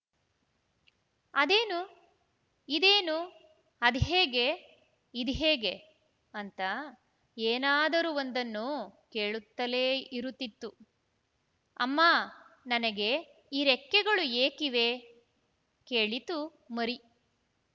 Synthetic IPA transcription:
ɐd̪eːnu | id̪eːnu | ɐd̪iɦeːɡe̞ | id̪iɦeːɡe̞ | ɐnt̪ɐ | eːnaːd̪ɐɾuond̪ɐnːukeːɭut̪ːɐleːiɾut̪ːit̪ːu | ɐ̰mːaːnɐnɐɡe̞ | iːɾekːɛɡɐɭueːkiʋe̞ | keːɭit̪u | mɐɾi

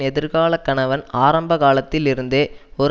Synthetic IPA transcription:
ɛðɪɾɣaːlɐkːɐɳɐʋɐnaːɾɐmbɐɣaːlɐt̪ːɪlɪɾɯnd̪eːɔɾ

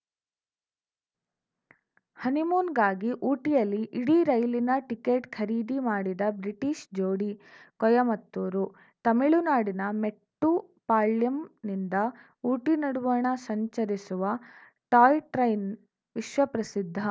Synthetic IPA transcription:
hɐnimuːnɡaːɡiʔuːʈijɐlːiʔːɽiɾɐjlinɐʈikeːʈkʰɐɾiːd̪imaːɽid̪ɐbɾiʈiːʃd͡ʒoːɽikɔjɐmɐt̪ːoːɾu | t̪ɐmiɭunaːɽinɐmeʈːu | paːɭijɐmnind̪ɐ | uːʈinɐɽuʋɐɳɐsɐɲt͡ʃɐɾisuʋɐ | ʈaːjʈɾɐjn | ʋiʃʋɐpɾɐsid̪ʱːɐ

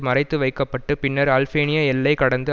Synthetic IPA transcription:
mɐrɐɪt̪ːɯʋɐɪkːɐpːɐʈːɯpɪnːɐɾɐːlfeːnɪjɐɛlːɐɪkɐɽɐnd̪ɯ

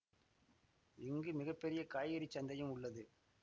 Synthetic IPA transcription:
ɪŋɡɯmɪɣɐpːɛɾɪjɐkaːjɪɾit͡ʃːɐnd̪ɐjɯmʊɭːɐðɯ

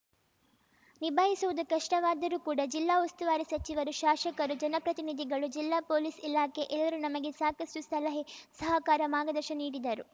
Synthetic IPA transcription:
nibʱaːɦisuʋud̪ukɐʂʈɐʋaːd̪ɐɾukuːɽɐd͡ʒilːaːust̪uʋaːɾisɐt͡ʃiʋɐɾuʃaːʃɐkɐɾud͡ʒɐnɐpɾɐt̪inid̪ʱiɡɐɭud͡ʒilːaːpoːlisilaːke̞ʔɛlːɐɾunɐmɐɡe̞saːkɐsʈust̪ʰɐlɐɦesɐɦɐkaːɾɐmaːɡɐd̪ɐɾʃɐniːɽid̪ɐɾu

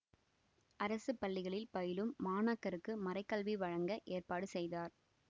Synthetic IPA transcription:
ʔɐɾɐsɯpɐɭːɪɣɐɭɪlpɐjɪlɯmːaːnaːkːɐɾɯkːɯmɐɾɐɪkːɐlʋiʋɐɻɐŋɡɐʔeːrpaːɽɯsɛjðaːɾ

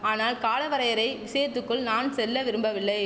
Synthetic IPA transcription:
aːnaːlkaːlɐʋɐɾɐjɐɾɐɪʋɪseːɾt̪ːɯkːɯɭnaːnsɛlːɐʋɪɾɯmbɐʋɪlːɐɪ

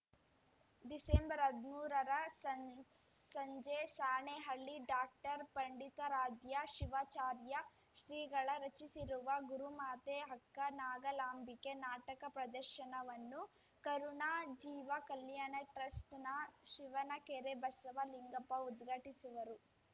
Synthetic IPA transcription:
ɖisembɐɾɐd̪muːɾɐɾɐɐ | sɐɲd͡ʒesaːɳeɦɐɭːiɖaːk̚ʈɐɾpɐɳɖit̪ɐɾaːd̪jɐʃiʋaːt͡ʃaːɾjɐ | ʃɾiːɡɐɭɐɾɐt͡ʃisiɾuʋɐɡuɾumaːt̪eɦɐkːɐnaːɡɐlaːmbike̞naːʈɐkɐpɾɐd̪ɐɾʃɐnɐʋɐnːu | kɐɾuɳaːd͡ʒiːʋɐkɐlːjanɐʈɾɐsʈnɐʃiʋɐnɐkeɾebɐsɐʋɐliŋɡɐpɐud̪ɡʱɐʈisuʋɐɾu

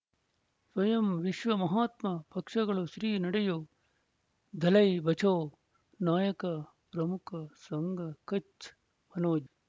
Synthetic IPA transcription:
swʋɐjɐmʋɪʃʋɐmɐɦaːt̪mɐpʰɐkʂɐɡɐɭosɾiːnɐɽɐjoː | d̪ʱɐlɐibɐt͡ʃʰoː | naːjɐkɐ | pɾɐmukʰɐsɐŋɡʱɐkɐt͡ʃ | mɐnoːd͡ʒ

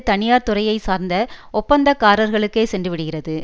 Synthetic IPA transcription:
t̪ɐɳɪjaːɾt̪ʊrɐjɐɪsaːɾnd̪ɐɔpːɐnd̪ɐkːaːɾɐɾɣɐɭɯkːeːsɛndrɯʋɪɽɯɣɪrɐðɯ

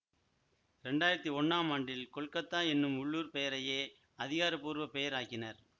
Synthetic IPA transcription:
ɾɛɳɖaːjɪɾɐt̪ːiɔɳːaːmaːɳɖɪlkɔɭkɐt̪ːaːɛnːɯmʊɭːuːɾpɛjɐɾɐjeː | ɐðɪɣaːɾɐpːuːɾʋɐpɛjɐɾaːɣɪnɐɾ

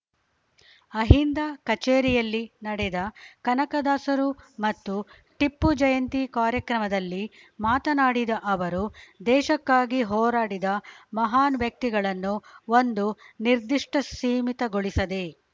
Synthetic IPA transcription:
ɐɦind̪akɐt͡ʃeːɾijɐlːinɐɽɛd̪ɐkɐnɐkɐd̪aːsɐɾumɐt̪ːu | ʈipːud͡ʒɐjɐnt̪ikaːɾjɐkɾɐmɐd̪ɐlːi | maːt̪ɐnaːɽid̪ɐʔɐʋɐɾud̪ɛːʃɐkːaːɡiɦɔːɾaːɽid̪ɐmɐɦaːnʋjɐk̚t̪iɡɐɭɐnːuond̪uniɾd̪iʂʈɐsiːmit̪ɐɡoɭisɐd̪e̞

